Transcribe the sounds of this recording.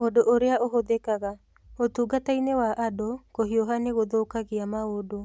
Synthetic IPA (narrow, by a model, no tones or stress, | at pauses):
odoʔoɾeaʔoɦoðɛkaɣa | otuːɡatainewaʔadokoɦiɔɦaneɣoðoːkaɣeamaodo